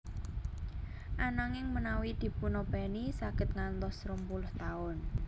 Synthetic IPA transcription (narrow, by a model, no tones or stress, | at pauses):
ʔanaŋɪŋmənawid̪̥i̤punob̥ɛnisaɡ̥ə̤t̪̚ŋant̪ɔsɾəmpulʊht̪aʊn